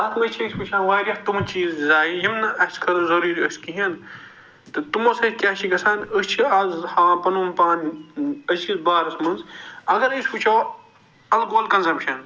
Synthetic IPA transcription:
ɐt̪mɐt͡ʃʰɐsʲput͡ʃʰɐ̃ːnʋaːɾɐht̪umt͡ʃiːzzaːjijimnɐʔɐskʰɐɾɐzɐɾuːɾʲəskiɦɐn | t̪ɨt̪umɐsɐkʲaːʃʰikɐsaːnəst͡ʃʰiɐzhãːpɐnuːmpaːnɐsisbaːɾɐsmɐnzɐɡɐɾəsʲput͡ʃʰoː | ɐlɡoːlkɐnsɐmpʃɐn

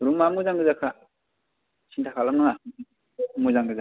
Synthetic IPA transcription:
ɾumamuzaŋɡɯzakʰa | sʰintʰakʰalamnaŋa | muzaŋɡɯza

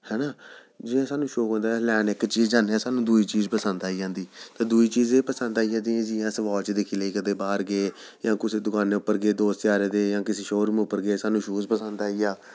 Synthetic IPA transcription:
hɛːnaː | d͡ʒɪjãːsaːnũːʃoːkõːnd̪aːlɛːnɪkt͡ʃiːzaːnãːsaːnũːd̪uiːt͡ʃiːzpəsənd̪aːid͡ʒãːnd̪iːt̪ãːd̪uiːt͡ʃiːzeːpəsənd̪aːid͡ʒãːd̪iẽːd͡ʒɪjãːsəʋaːlt͡ʃd̪ɪkʰiːləiːkəd̪eːbaːɾɡeː | jãːkʊseːd̪ʊkaːneːʊpːəɾɡeːd̪oːst͡ʃaːɾeːd̪eːjãːkɪseːʃoːɾmẽʊpːəɾɡeːsaːnũːʃuːspəsənd̪aːiːjaː

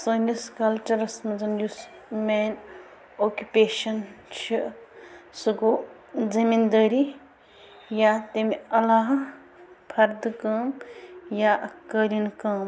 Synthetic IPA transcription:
sɐːniskɐlt͡ʃɐɾɐsmɐzɐnjus | men | oːkʲupeːʃɐnt͡ʃʰi | sɨɡoː | zimind̪əːɾi | jat̪emiɐlaːɦ | pʰɐɾd̪kɐːmjaʔkəɾinkɐːm

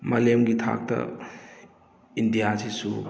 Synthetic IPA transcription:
mɐlemɡitʰa̰k̚tɐ̰ | indijasisṵ

